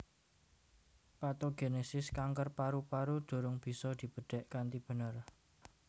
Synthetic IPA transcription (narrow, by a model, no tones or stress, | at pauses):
pat̪oɡ̥enesɪskaŋkərpaɾupaɾud̪̥o̤ɾʊŋb̥i̤sɔd̪̥i̤b̥ə̤ɖ̥ɛ̤ʔkant̪ib̥ə̤nər